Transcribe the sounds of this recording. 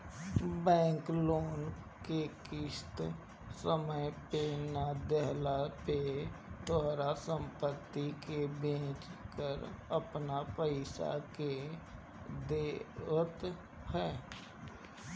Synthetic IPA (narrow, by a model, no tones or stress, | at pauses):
bɛ̃ːŋkloːn | kekɪʃt̪ | səməjpenad̪ɛɦlapet̪oɾasə̃mpət̪ːikebẽːt͡ʃkəɾəpnapəɪsa̰ke | d̪eːʋət̪ | hɛː